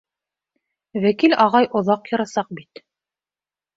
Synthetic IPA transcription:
wækilɑʁɑjʔŏðɑqjɤ̆ɾɑsɑq̚bit̪

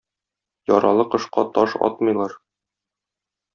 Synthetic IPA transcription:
jɒɾɑlˠɤqɤ̆ʃqɑt̪ɒʃɒ̰t̪mɤ̆jlˠɑɾ

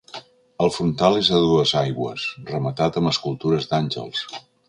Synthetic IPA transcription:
əlˠfɾunt̪alezðəðuəzajɣwə̰srəmət̪at̪əmbəskulˠt̪uɾəzd̪anʲʒə̰lˠs

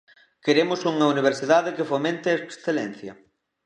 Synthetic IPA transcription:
keɾemʊsuŋɐuniβ̞eɾsiðaðɪkɪfomẽnt̪ɪeksθelɛnθjɐ̰

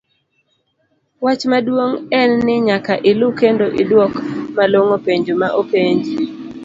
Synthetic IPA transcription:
wat͡ʃmadwoŋɛnːɪɲakaʔɪlʊkendoʔɪdwɔkmaloŋopeɲd͡ʒomaʔopeɲd͡ʒi

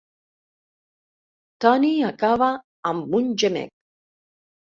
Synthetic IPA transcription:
t̪aniakavaː | mːund͡ʒɛmɛ̰k̚

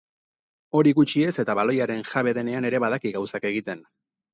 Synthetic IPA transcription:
o̞ɾiɣut͡ʃie̞se̞t̪aβalo̞jaɾe̞nʝaβe̞ðe̞ne̞ane̞ɾe̞βaðakiɣawsake̞ɣit̪e̞n

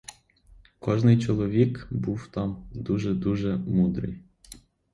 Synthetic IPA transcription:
kɔʒnɪjt͡ʃɔlˠɔʋʲikbuwt̪ɑmd̪uʒɛd̪uʒɛmud̪ɾɪ̰j

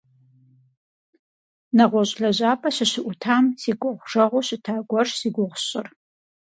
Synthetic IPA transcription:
nɐʁʷɔɕʼɮɐʑaːpʰʼɐɕɪɕɪʔʷʊtʰaːmsiːɡʷʊʁʷʐ̥ɐʁʷʊɕɪtʰaːɡʷɔrsiːɡʷʊʁʷʊɕʼɪr

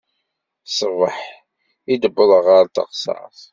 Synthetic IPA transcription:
səvˤəħ | id̪əbːəðˤəʁaɾt̪ə̰qsɑ̰ʕθ

